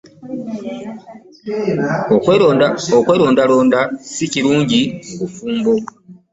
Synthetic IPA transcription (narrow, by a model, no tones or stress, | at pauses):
okwe̞ːɾo̞ːndaloːndasiciɾuːɲɟikufuːmbo